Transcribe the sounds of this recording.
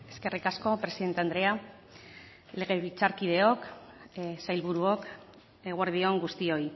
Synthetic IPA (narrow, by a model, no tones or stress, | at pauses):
e̞ske̞rikasko̞pɾe̞siðe̞nt̪eand̪ɾe̞a | le̞ɣ̞e̞βit͡saɾkiðe̞o̞k | sajlβuɾuo̞k | eɣwaɾð̞io̞ŋɡust̪io̞j